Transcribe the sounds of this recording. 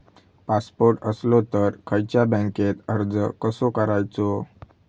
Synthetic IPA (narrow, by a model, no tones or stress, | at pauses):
paspoɾʈəslot̪əɾkʰəjt͡ɕjabə̃ŋket̪əɾd͡zəkəsokəɾajt͡so